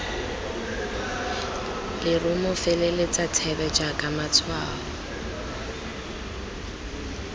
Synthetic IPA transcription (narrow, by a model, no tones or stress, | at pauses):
lɪrʊmʊfelelɪt͡sʼatʰɛbɛd͡ʒakʼamat͡sʰwa̰ːlɔ